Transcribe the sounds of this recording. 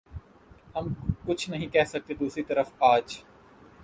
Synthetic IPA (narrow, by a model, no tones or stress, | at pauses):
hɐmkʊt͡ʃʰnɐɦĩkɛɦsɐk̚t̪ed̪uːsɾit̪ɐɾəfaːd͡ʒ